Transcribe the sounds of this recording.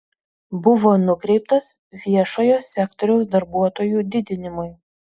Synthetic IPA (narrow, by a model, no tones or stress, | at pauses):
bʊʋoːnʊkɾʲɛɪpt̪ɐs | ʋʲiɛʃoːjoːsʲɛkt̪ɔɾʲɛʊsd̪ɐɾbuɔt̪oːjuːd̪ʲɪd̪ʲɪnʲɪmʊj